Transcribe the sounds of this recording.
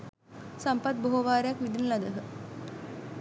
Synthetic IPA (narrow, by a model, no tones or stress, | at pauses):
sampɐt̪̚boɦoʋaːɾejakʋid̪inəlɐd̪ɐɦə